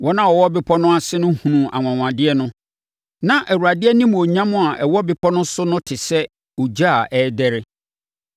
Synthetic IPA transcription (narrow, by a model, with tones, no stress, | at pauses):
wɔ˦nã˦wɔ˨wɔ˦bɪ˦pʰɔ˦nʊ̃˦a˨sɪ˦nʊ̃˦hũ˨nũ˨ʔa̰˨ŋʷ˨ã˨ŋʷ˨ã˨dɪ˦ɛ˦nʊ̃˦ | nã˨ʔɛ˨wu˨ɾa˨dɪ˦ɛ˦nĩ˦m˨o˨ɲã˦mʊ̃˦a˨ʔɛ˨wɔ˦bɪ˦pʰɔ˦nʊ̃˦sʊ˦nʊ̃˦tʰɪ˨sɛ˦ | o˨d͡ʑa˦a˨ʔɛː˦dɛ˦ɾɪ˦